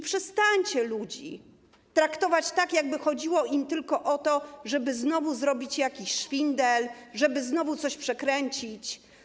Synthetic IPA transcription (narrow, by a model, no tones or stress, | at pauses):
pʂɛst̪aɲt͡ɕɛlud͡ʑḭ | t̪ɾakt̪ɔvat͡ɕt̪akjaɡ̚bɘxɔd͡ʑiwɔʔimt̪ɘlkɔʔɔt̪ɔʐɛbɘznɔvuzɾɔbʲit͡ɕjakʲiɕʂfʲind̪ɛlʐɛbɘznɔvut̪sɔɕpʂɛkɾɛɲt͡ɕit͡ɕ